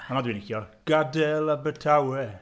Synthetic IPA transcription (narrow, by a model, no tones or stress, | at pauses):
anadwinikiɔɡ̥adɛlˠabətʰawɛ